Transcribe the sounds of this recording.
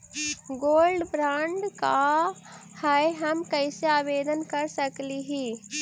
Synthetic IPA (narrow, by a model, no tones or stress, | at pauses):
ɡoːlɖbɾãːɳɖka | hɛeɦɐmkɛɪseaːbeːd̪ənkɐɾsəkliɦiː